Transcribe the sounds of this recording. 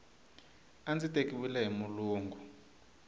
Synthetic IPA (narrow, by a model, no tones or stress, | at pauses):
and͡zitʼekʼiwilɛɦimuluːŋɡu